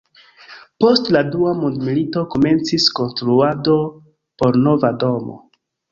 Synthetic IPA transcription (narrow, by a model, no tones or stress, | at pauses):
po̞stladuamundmilito̞kome̞nt͡sisko̞nstɾuado̞ | po̞ɾno̞vado̞mo̰